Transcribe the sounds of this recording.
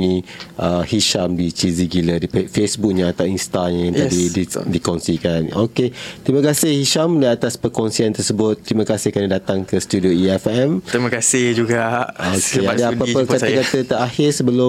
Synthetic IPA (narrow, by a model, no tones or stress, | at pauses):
ŋĩʔəhiʃamdit͡ʃiziɡilədipfesbuk̚ɲãat̪awinst̪aɲãjãŋadididikɔnsikanoket̪ɾimãkasɪhhiʃamliat̪aspəkɔnsiant̪ərsəbʊt̪ːɾimãkasɪhkanidat̪aŋkəst̪udioiɛfɛmɾimakasɪhd͡ʒuɡaokadəapakaakat̪ət̪əɾahɪrsəbəlʊ